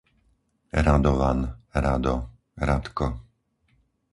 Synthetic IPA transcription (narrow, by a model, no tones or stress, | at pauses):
ɾad̪ɔʋanɾad̪ɔ | ɾat̪kɔ